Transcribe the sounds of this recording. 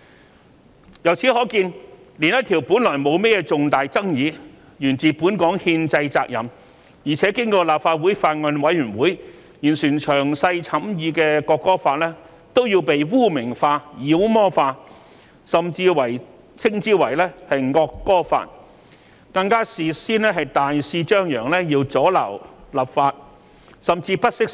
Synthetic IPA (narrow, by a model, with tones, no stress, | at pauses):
jɐ˨˩wt͡sʰiː˨˥hɔː˨˥kiː˧n | li˨˩njɐ˥t̪ʰiː˨˩wpu˨˥nlɔː˨˩jmo˨˧wmɛː˥jɛː˧t͡sʊ˨ŋt̪aː˨jt͡sɐ˥ŋjiː˨˧ | jyː˨˩nt͡siː˨puː˨˥nkɔː˨˥ŋhiː˧nt͡sɐ˧jt͡saː˧k̚jɐ̰˨˩m | jiː˨˩t͡sʰɛː˨˥kɪ˥ŋkɔː˧laː˨p̚faː˧t̚wu˨˥jfaː˧t̚ŋɔ˧nwɐ˨˥jyː˨˩nwuː˨˥j | jyː˨˩nsyː˨˩nt͡ʃʰœː˨˩ŋsɐ˧jt͡sʰɐ˨˥mjiː˧kɛː˧kɔː˧kːɔː˥faː˧t̚lɛː˥ | t̪o˥wjiː˧wpe˨jwuː˥mɪ˨˩ŋfaː˧jiː˨˥wmɔː˥faː˧ | sɐ˨mt͡siː˧wɐ˨˩j | t͡sʰɪ˥ŋt͡siː˥wɐ˨˩jlɛː˥hɐ˨jŋɔː˧kːɔː˥fa̰ː˧t̚ | kɐ˧ŋkaː˥siː˨siː˥nlɛː˥ɦɐ˨jt̪aː˨jsiː˧t͡ʃœː˥ŋjœː˨˩ŋlɛː˥jiː˧wt͡sɔː˨˥lɐ̰˨˩wlaː˨pfaː˧t̚ | sɐ˨mt͡siː˧pɐ˥t̚sɪ˥k̚